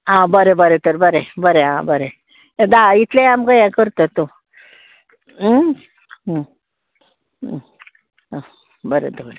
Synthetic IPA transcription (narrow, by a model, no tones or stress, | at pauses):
ɦãbəɾebəɾet̪əɾbəɾebəɾeɦã̰bəɾe | d̪ait̪ʰlẽamɡəjakəɾt̪ət̪o | bəɾḛd̪ʱoɾ